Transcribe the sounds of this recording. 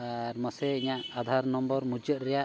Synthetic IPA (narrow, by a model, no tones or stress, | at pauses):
aɾmɔsɛiɲaʔad̪ʱaɾnɔmbɔɾmud͡ʒɔt̪̚ɾɛjaʔ